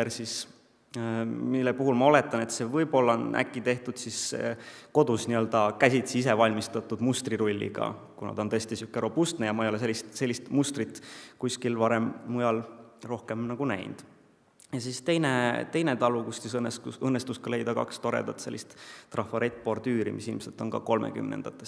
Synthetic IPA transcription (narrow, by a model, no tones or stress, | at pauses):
rsis | milːepuɦulmɑo̞le̞t̪ːˑɑne̞t̪se̞vɤjbo̞lːɑnʔæ̰kˑːit̪e̞ht̪ud̪̥sis | ko̞d̪̥usniø̞ld̪̥ɑkæsʲit̪siise̞vɑlʲmist̪ɑt̪ːud̪̥must̪riɾulʲːḭɡ̥ɑ̰kunɑ̰d̪̥o̞nt̪ɤest̪isykːˑeɾo̞bust̪nejɑmɑejole̞se̞lʲːist̪se̞lʲːist̪must̪rit̪ːˑkusʲkilvɑɾemːujɑlro̞hke̞mnɑɡ̥unæ̰jnd̪̥ | jɑsist̪e̞jnet̪e̞jnet̪ɑlukust̪isɤnːest̪uɤnːest̪uskɑle̞jd̪̥ɑkɑ̰kst̪o̞ɾḛd̪̥ɑt̪se̞lːist̪t̪ːrɑfɑɾet̪̚ːˑpord̪̥yːɾḭmisilmse̞lt̪o̞nkɑ̰ko̞lmḛky̰mnḛnd̪̥ɑt̪ːˑe̞s